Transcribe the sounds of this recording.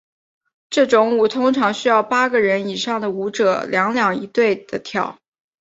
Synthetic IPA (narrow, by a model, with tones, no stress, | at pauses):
ʈ͡ʂɤ˥˩ʈ͡ʂʊ˧˥ŋu˥˩t̪ʰʊ˥ŋʈ͡ʂʰɑ˧˥ŋɕy˥jɑ˥˩ʊpa˥ɡə˨ɻə˧˥ni˨˩ʂɑ˥˩ŋd̪ə˩u˧˥ʈ͡ʂɤ˨˩ljɑ˧˥ŋljɑ˨˩ŋi˧˥t̪we˥˩ɪd̪̥ə˩t̪ʰjɑ˨˩˦ʊ